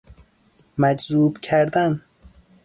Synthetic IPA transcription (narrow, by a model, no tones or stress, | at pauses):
mæd͡ʒzuːbcʰæɾd̪æn